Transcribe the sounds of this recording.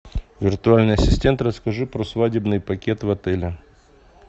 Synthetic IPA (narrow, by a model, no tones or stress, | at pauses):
vʲɪrt̪ʊalʲnɨjɐsʲɪsʲtʲe̞nt̪rəskɐʐɨpɾosvadʲɪbnɨjpɐkʲe̞t̪vɐt̪ɛlʲɪ